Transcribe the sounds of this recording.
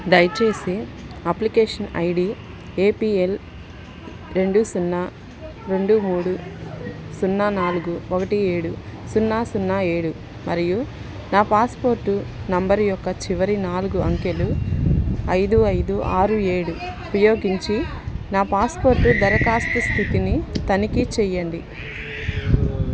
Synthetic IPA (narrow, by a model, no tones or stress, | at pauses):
d̪ɐjt͡ʃe̞ːsiɐplikeːʂɐnɐ̰jɖi | eːpiːel | ɾe̞ɳɖusunːaː | ɾe̞ɳɖumuːɽu | sunːaːnaːluɡuɔkɐʈieːɽusunːaːsunːae̞ːɽu | mɐɾiju | naːpaːspo̞ːɾʈːunɐmbɐɾujɔkːɐt͡ʃiʋɐɾinaːluɡuɐŋkelu | ɐjd̪uɐjd̪uʔaːɾueːɽuupɐjo̞ːɡiɲt͡ʃi | naːpaːspo̞ːɾʈːud̪ɐɾɐkaːst̪ɐst̪ʰit̪init̪ɐnikit͡ʃɛjːɐnd̪i